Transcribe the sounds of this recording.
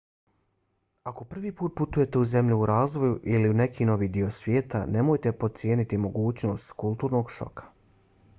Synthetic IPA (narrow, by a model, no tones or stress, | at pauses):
ako̞pr̩ʋiːpuːt̪̚put̪uje̞t̪e̞uze̞mʎuuɾaːzʋo̞juʔiliune̞kʰiːno̞ʋiːd̪io̞sʋʲjeːt̪a̰ne̞mo̞ːjt̪e̞po̞t̪t̪sje̞ːnit̪imo̞ɡuːt͡ɕno̞st̪kulˠt̪uːɾno̞ɡʃo̞̰kʰḁ